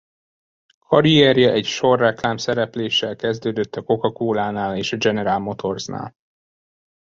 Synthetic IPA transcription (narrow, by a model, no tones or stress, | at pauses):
kʰɒɾiɛrjɛʔɛcʃo̞rːɛklaːmsɛɾɛpleːʃːɛlkɛzd̪øːd̪øt̪ːɒko̞kɒkoːlaːnaːleːʃɒd͡ʒɛnɛɾaːlmo̞t̪ʰo̞rzna̰ːl